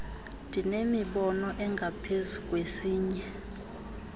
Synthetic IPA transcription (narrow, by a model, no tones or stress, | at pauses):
ndʱinemiɓɔnɔʔɛŋɡʱapʰezukʼwesiːɲɛ